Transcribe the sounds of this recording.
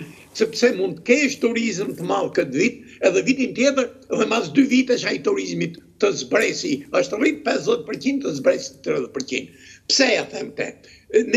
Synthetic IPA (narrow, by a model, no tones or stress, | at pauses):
sɛpsɛmund̪t̪əkɛʃt̪uɾizəmt̪əmalˠkət̪vit̪̚ | ɛðɛvit̪int̪jɛt̪əɾɛðɛmas̬d̪yvit̪ɛʃ̬ait̪uɾizmit̪ːəzbɾɛsiəʃt̪ərip̚pɛsðɛt̪̚pəɾcind̪t̪əzbɾɛsi̥t̪ɾiðɛpəɾcḭnpə̥sɛaθɛmt̪ɛ̰ | n